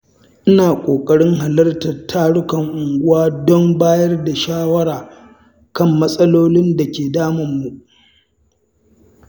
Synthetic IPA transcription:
ʔɪ˦naː˨kʷʼoː˨kʼɐ˨ɽɪ˦ŋɦa˨lɐ˦rtɐ˨rtʰaː˦ɽʊ˦kɐ˨ŋʔʊ˨ŋɡʷʊ˦waː˦dɔ˦mbaː˦jɐ˦rda˨ʃaː˦wɐ˦ɽaː˨ | kɐ˦˨mːɐ˦sʼɐ˦loː˦lɪ˦nda˨kʲeː˨daː˦mɐ˨mːu˨ʔ

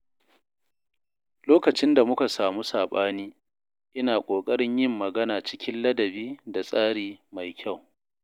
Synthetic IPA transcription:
loː˦kɐ˨t͡ʃɪ˦nda˨mʊ˦ka˨saː˨mu˦saː˨ɓaː˦niː˦ | ʔɪ˦naː˨kʷʼoː˨kʼɐ˦ɽɪ˦ɲjɪ˦mːɐ˨ɡɐ˦naː˨t͡ʃɪ˦kʲɪ˦nlɐ˦dɐ˨biː˦da˨sʼaː˦ɽiː˨ma˨jkʲʰa˦˨w

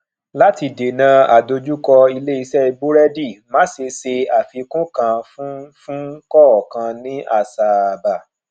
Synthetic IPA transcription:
la˦ti˧˨de˨nã˧a̰˨do˧d͡ʒu˦kɔ˧i˧le˦i˧sɛ˦i˧ɡ͡bo˦ɾɛ˦di˦˨mã˦se˧se˧a˨fi˨˧kũ˦kã˧fũ˦fũ˦kɔ˦˨ɔ˨kã˧nĩ˦ʔa˦˨sa˨ba˨

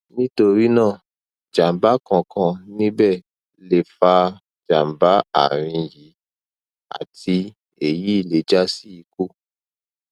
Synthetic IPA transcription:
nĩ˦to˧ɾi˦nãː˦˨ | d͡ʒa˨m˨ba˨˦kɔ̃˧kʰɔ̃˧nĩ˦bɛ˦˨ | le˨fa˧ | d͡ʒa˨m˨ba˨˦a̰˨ɾ̃ĩ˧ji˨˦ | a̰˨tʰi˧ | e˨ji˨˦i˦˨le˨˦d͡ʒa˦si˦i˨˧ku˦

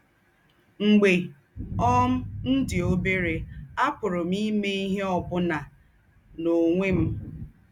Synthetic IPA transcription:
ŋ͡m̩˨ɡ͡be˨ | ɔ˦m̩˦n̩˦dɪ˨o˦be˦ɾe˨a˦pʊ˨ɾʊ˨m̩i˦me˦i˦ɦe˦ɔ˨bʊ˦na˨ | no˨ŋʷe˦m̩˦

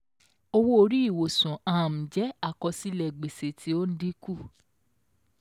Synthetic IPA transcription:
o˧wo˦o˧ɾi˦i˦˨wo˨sũ˨ã˨m̩˨d͡ʒɛ˨˦a˦˨kɔ˧si˦lɛ˨ɡ͡be˨se˨tʰi˦o˦n̩˦di˦ku˦˨

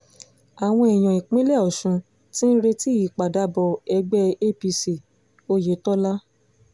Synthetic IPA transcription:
a˨w̃ɔ̃˧ɛ˨j̃ɔ̃˨i˨k͡pĩ˦lɛ˦˨ɔ˨ʃũ˧ | tĩ˦n̩˦ɾe˧ti˦i˨k͡pa˨da˨˦bɔ˧ɛ˧ɡ͡bɛ˦e˦˨pi˧si˨ | o˦je˨˦tɔ˦la˦

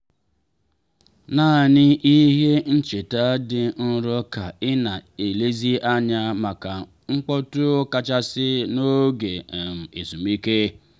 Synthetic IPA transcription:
naː˦˨nɪ˦ʔi˦ɦe˦n̩˦t͡ʃe˨ta˦dɪ˨n̩˦ɾɔ˦ka˨ɪ˦na˨e˨le˦zi˦ʔa˦ɲa˦ma˨ka˨ | ŋ͡m̩˦k͡pɔ˦tʊ˦ka˦t͡ʃa˦sɪ˦no˦ɡe˨m̩˨e˨su˨mi˦ke˦

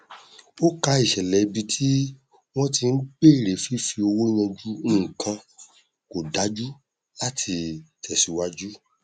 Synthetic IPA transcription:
o˦ka˧i˨ʃɛ˨lɛ˨˧bi˧tʰi˦ | w̃ɔ̃˦ti˧n̩˦k͡pe˦˨ɾe˨˦fi˦fi˧o˧wo˦j̃ɔ̃˧d͡ʒu˦ũː˦˨kã˧ | ko˨da˨˦d͡ʒu˦ | la˦tʰi˧tʰɛ˨si˨˦wa˦d͡ʒu˦

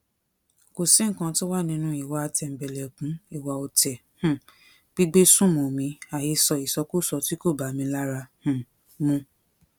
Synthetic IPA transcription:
ko˨sĩ˨˦ŋ̩˨kã˧to˦wa˦˨nĩ˧˦nũ˦i˦˨wa˧a˧tɛ˧˨m̩˨bɛ˨lɛ˨kũ˨˦i˦˨wa˨o˧tɛ˨ | hũ˦˨ | b̥i˦ɡ͡be˦sũ˦˨mõ˨mĩ˧˦a˨je˧sɔ˧i˨sɔ˨˧ku˦˨sɔ˧ti˦ko˦˨ba˨˦mĩ˧la˦ɾa˧hũ˦˨ | mũ˧

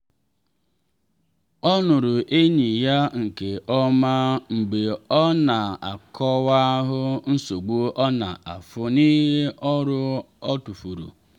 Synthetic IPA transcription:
ɔ˦nʊ˨ɾʊ˨ʔe˦ɲi˨ja˦ŋ̩˨ke˨ʔɔ˦ma˦ŋ͡m̩˨ɡ͡be˨ɔ˦na˨a˨kʰɔ˦wa˦ɦʊ˦n̩˦so˨ɡ͡bu˦ʔɔ˦na̰˨ʔa˨fʊ˦ni˦ɦe˦ʔɔ˦ɾʊ˦ | ɔ˦tu˨fu˨ɾṵ˨

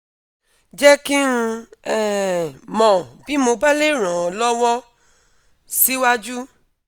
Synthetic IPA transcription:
d͡ʒɛ˦ki˦n̩˧ɛ˦mɔ̃˨bi˨˦mo˧ba˦le˦˨ɾ̃ã˨lɔ˦wɔ˦ | si˦wa˦d͡ʒu˦

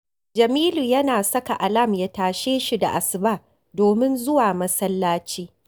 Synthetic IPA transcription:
d͡ʒɐ˨miː˦luː˨jɐ˦naː˨sɐ˦ka˨ʔa˨lɐ˦˨mjaː˦taː˨ʃeː˦ʃi˨da̰˨ʔa˨sɪ˨baː˦ | doː˨mɪ˦nzʊ˦waː˨mɐ˦sɐ˦lːaː˦t͡ʃiː˦

